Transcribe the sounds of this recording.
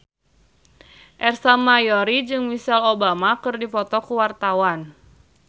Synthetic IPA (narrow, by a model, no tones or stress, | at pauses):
ʔɛrsamajɔɾid͡ʒɨŋmisɛlobamakɨrdipɔt̪ɔkuwart̪awan